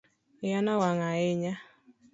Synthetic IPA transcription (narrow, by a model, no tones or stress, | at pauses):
ɪjanawaŋaɪɲa